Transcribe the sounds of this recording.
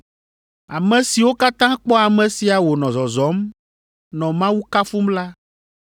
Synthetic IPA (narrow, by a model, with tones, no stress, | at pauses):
a˨mɛ̃˨si˨wo˦ka˦t̪ã˦k͡pɔ˦a˨mɛ̃˨si˨a˨wo˨nɔ̃˨zɔ˨zɔ˨˦m | nɔ̃˨mã˦wu˦ka˦fu˦mla˦